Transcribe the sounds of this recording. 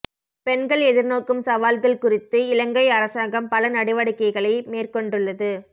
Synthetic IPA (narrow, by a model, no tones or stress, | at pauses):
pɛnɡɐɭɛðɪɾnoːkːɯmsɐʋaːlɣɐɭkʊrɪt̪ːɯɪlɐŋɡɐɪɐɾɐsaːŋɡɐmpɐlɐnɐɽɪʋɐɽɪkːɐɪɣɐɭɐɪmeːrkɔɳɖɯɭːɐðɯ